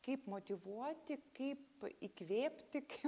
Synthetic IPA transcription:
kɐɪpmoːt̪ʲiʋuɔt̪ʲɪkɐɪpikʋʲeːpʲt̪ʲɪkɪ

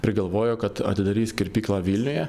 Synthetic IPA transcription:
pʲɾʲɪɡɐlˠʋoːjoːkɐt̪ɐ̰t̪ʲɪd̪ɐɾʲiːsʲkʲɪɾʲpʲiːklˠɑʋʲiːlʲnʲʊjɛ

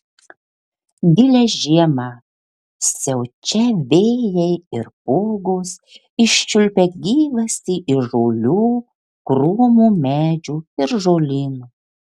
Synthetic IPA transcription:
d̪ʲɪlʲɛʒʲiɛmɐ | sʲɛʊt͡ʃʲɛʋʲeːjɛɪɪɾpuːɡoːs | ɪʃʲt͡ʃʲʊlʲpʲɛɡʲiːʋɐsʲiːʔɪʒoːlʲuː | kɾuːmuːmʲæːd͡ʒʲuːɪɾʒoːlʲiːnuː

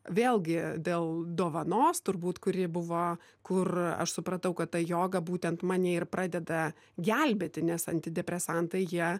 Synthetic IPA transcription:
ʋʲeːlˠɡʲɪd̪ʲeːlˠd̪oːʋɐnoːst̪ʊɾbuːt̪kʊɾʲɪbʊʋoː | kʊrɐ̰ʃsʊpɾɐt̪ɐʊkɐt̪t̪ɐjoːɡɐbuːt̪ʲɛnt̪mɑːnʲeːɪrpɾʔɑːd̪ʲɛd̪ɐ | ɡʲɛlʲbʲeːt̪ʲɪnʲɛsɐ̰nʲt̪ʲɪd̪ʲɛpʲɾʲɛsɑnt̪ɐɪjiɛ

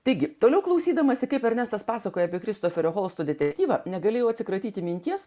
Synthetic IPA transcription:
t̪ɐɪɡʲɪt̪oːlʲɛʊklˠɐʊsʲiːd̪ɐmɐsʲɪkɐɪpɛɾnʲæst̪ɐspɑːsɐkoːjɛɐːpʲiɛkɾʲɪst̪oːfʲɛɾʲoːxoːlˠst̪oːd̪ʲɛt̪ʲɛkt̪ʲiːʋɐnʲɛɡɐlʲeːjɛʊɐt̪ʲsʲɪkɾɐt̪ʲiːt̪ʲɪmʲɪnʲt̪ʲiɛs

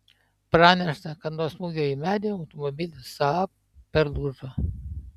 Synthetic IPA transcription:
pɾɑːnʲɛʃt̪ɐkɐt̪nuɔsmuːɡʲoːimʲæːd̪ʲeɐʊt̪ɔmɔbʲɪlʲɪsɑ | pʲɛɾlˠuʒo

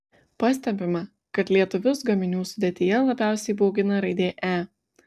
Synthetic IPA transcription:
pɑsʲt̪ʲɛmʲbʲɪmɐ | kɐt̪lʲiɛt̪ʊʋʲʊsɡɐmʲɪnʲuːsʊd̪ʲeːt̪ʲɪjɛlˠɐbʲæˑʊsʲɛɪboːɡʲɪnɐɾɐɪd̪ʲeːʔæː

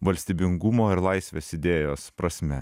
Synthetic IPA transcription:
ʋɐlʲsʲt̪ʲiːbʲɪŋɡʊmoːɪɾlˠɑɪsʲʋʲeːsɪd̪ʲeːjoːspɾɐsʲmʲɛ

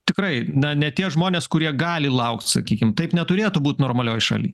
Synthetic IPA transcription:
t̪ʲɪkɾɐɪnʲɐnʲɛt̪ʲiɛʒmoːnʲeːskʊɾʲiɛɡɑːlʲɪlˠɐʊkt̪sɐ̰kʲiːkʲɪmt̪ɐɪpnʲɛt̪ʊɾʲeːt̪ʊbuːt̪ʲnoːrmɐlʲoːjʃɑ̰ːlʲḭː

